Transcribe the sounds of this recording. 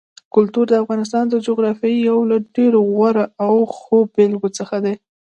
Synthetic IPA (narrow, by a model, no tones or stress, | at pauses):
kʊlt̪uɾd̪əafɣɑnɪs̬t̪ɑnd̪əd͡ʒoɣɾɑfjɑjijawlaɖeɾoɣwaɾaawxobelɡot͡səxad̪e